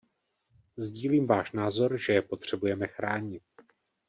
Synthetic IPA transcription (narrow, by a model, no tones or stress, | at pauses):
zɟiːliːmvaːʃnaːzo̞ɾʒɛjɛpo̞t̪r̝̥ɛbujɛmɛxɾaːɲɪt̪̚